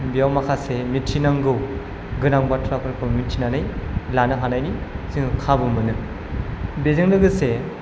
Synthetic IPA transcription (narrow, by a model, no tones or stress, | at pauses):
bijawmakʰasemitʰinaŋɡɯw | ɡɯnaŋbatʰɾapʰɯɾkʰɯmitʰinanɯjlanɯɦanajnisiŋɯkʰabɯmɯnɯ | bezɯŋlɯɡɯse